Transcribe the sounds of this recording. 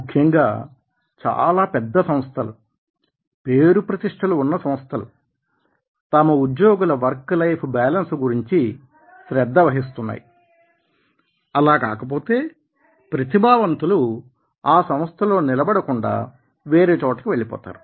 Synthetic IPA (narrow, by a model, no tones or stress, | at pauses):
mukʰjɐŋɡaː | t͡ʃa̰ːlaːpɛd̪ːɐsɐm̃st̪ʰɐlṵ | pe̞ːɾupɾɐt̪iʂʈʰɐluːnːɐsɐ̃m̃st̪ʰɐlṵ | t̪ɐmɐud̪joːɡulɐʋɐɾklɐjpʰbaːlɐnsɡuɾiɲt͡ʃi | ʃɾɛd̪ːɐʋɐɦis̬t̪unːa̰ːji | ɐlaːka̰ːkɐp̬o̞ːt̪e̞ː | pɾɐt̪ibʱaːʋɐnt̪ulu | aːsɐm̃st̪ʰɐlo̞ːnilɐbɐɽɐkuɳɖa̰ː | ʋe̞ːɾe̞ːt͡ʃɔːʈɐ̥kiʋe̞ɭːipɔ̰ːt̪a̰ːɾu